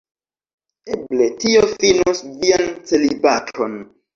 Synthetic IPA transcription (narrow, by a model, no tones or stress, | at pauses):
ebletiofinusviant͡selibatʰɾon